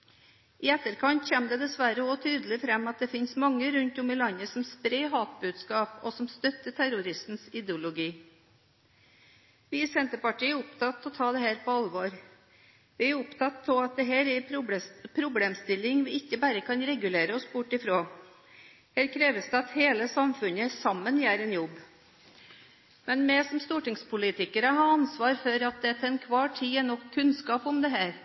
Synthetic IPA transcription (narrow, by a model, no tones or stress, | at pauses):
ɪɛt̪ːəɾkʰɑnt̪çɛmd̪ɛd̪ɛsʋæɾəɔt̪ʰyːd̪əlɪfɾɛmːɑt̪̚d̪ɛfɪnsmɑŋːəɾʉnt̪ʊmɪlɑɲːəsɔmspɾɛɪɦɑːt̪̚bʉːd̪skɑːpɔsɔmst̪œt̪ːəʈʰæɾʊɾɪst̪n̩sɪd̪ɛʊlʊɡiː | ʋiːsɛnt̪əpɑʈiːəʊpt̪ʰɑt̪ʰːɔt̪ʰɑːd̪ɛhæːɾpʰɔɑlʋoːɾ | ʋɪæʊpt̪ʰɑt̪ʰːɔlɑt̪̚d̪ɛɦæːɾɛɾɾpʰɾʊbleːmst̪ɪlːɪŋʋɪɪkːəbæːɾəkʰɑnɾɛɡʉleːɾəɔsbʊʈːɪfɾoː | hæːɾkʰɾeːʋəsd̪ɛɑt̪heːləsɑmfʉnəsɑmːənjæːɾɛnjɔbː | mɛnmɛsɔmst̪uːʈɪŋspʰʊlɪt̪ɪkəɾəɦɑːɑnsʋɑːɾfɔɾɑt̪̚d̪ɛt̪ʰɛnkʰʋɑːʈʰiːɛnɔkʰːʉnskɑːpɔmd̪ɛɦæːɾ